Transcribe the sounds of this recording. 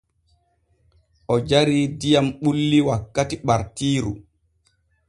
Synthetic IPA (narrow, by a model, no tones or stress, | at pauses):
ʔɔd͡ʒaɾiːdijamɓulːiwakːatiɓaɾtiːɾṵ